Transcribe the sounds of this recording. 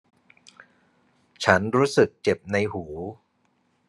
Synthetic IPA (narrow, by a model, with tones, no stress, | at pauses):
t͡ɕʰa˦˥nɾuː˦˥sɯ˨˩k̚t͡ɕe˨˩p̚na˧jhuː˩˦